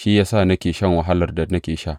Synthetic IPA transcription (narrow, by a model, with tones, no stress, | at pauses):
ʃi˦jaː˦sa˦˨nɐ˦kʲeː˨ʃɐ˦˨ŋwɐ˨ɦa˦lɐ˨rda˨nɐ˦kʲeː˨ʃa˦ʔ